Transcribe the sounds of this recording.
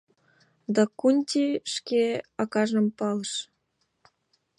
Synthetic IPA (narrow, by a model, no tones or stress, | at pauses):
d̪ɑkunʲtʲiʃkeɑkɑʒəmpɑləʃ